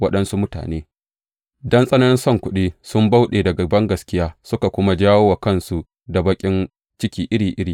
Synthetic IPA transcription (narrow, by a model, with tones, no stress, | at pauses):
wɐ˦ɗɐ˦nsu˦mʊ˦ta̰ː˨neː˦ | dɐ˦nsʼɐ˦nɐ˦nɪ˦nsɔ˦˨ŋkʷʊ˦ɗiː˦sʊ˦mba˦wɗeː˨dɐ˨ɡa˨bɐ˦ŋɡɐ˨skʲɪ˦jaː˦sʊ˦ka˨kʷʊ˦ma˦d͡ʒaː˦woː˦wa˨kɐ˦nsu˦ | da˨bɐ˦kʲʼɪ˦n | t͡ʃɪ˦kʲiː˦ʔɪ˦ɽiː˨ʔɪ˦ɽiː˨